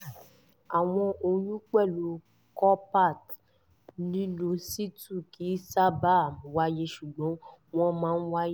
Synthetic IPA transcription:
a˨w̃ɔ̃˧ʔo˧j̃ũ˦k͡pɛ˦˨lo˨ | kɔ˦pa˦˨t | nĩ˦nũ˧si˦tu˦˨ki˨˦sa˦ba˦˨mũ˨˦wa˦je˧ʃu˨ɡ͡bɔ̃˨˦w̃ɔ̃˦mãː˦n̩˦wa˦je˦

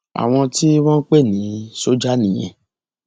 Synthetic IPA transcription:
a̰˨w̃ɔ̃˧ti˦w̃ã˦k͡pe˦˨nĩ˨˦so˦d͡ʒa˦nĩ˨j̃ɛ̰̃˧˨

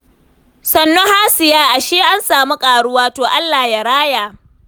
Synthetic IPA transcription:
sɐ˨nːo˦ha˦sɪ˨jaː˦ʔa˨ʃiː˦ʔa˦nsaː˨mu˦kʼaː˨ɽʊ˦waː˦toː˨ʔa˦lːaː˨hja˨ɽaː˦jaː˨

